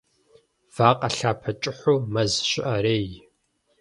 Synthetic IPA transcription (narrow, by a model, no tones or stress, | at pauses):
v̥aːqʼɐɬaːpʰɐt͡ʃʼɪħʷuːmɐzɕɪʔɐɾeːj